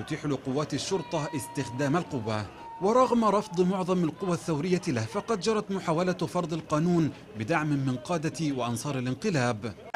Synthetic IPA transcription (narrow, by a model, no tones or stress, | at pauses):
t̪ʊt̪iːħlɪqʊwːaːt̪aʃːʊɾt̪ˤɑʔɪst̪ɪxd̪aːmalqʊwːa | wɑɾˤɑɣmɾˤɑfd̪ˤmʊʕðˤɑmalqʊwːaθːawɾɪjːalahfɑqɑd̪d͡ʒɑɾˤɑt̪mʊħaːwalafɑɾˤd̪ˤɪlqɑːnuːn | bɪd̪aʕmɪmɪnqɑːd̪awɪʔɑnsˤɑːɾˤɪlɪnqɨlaːb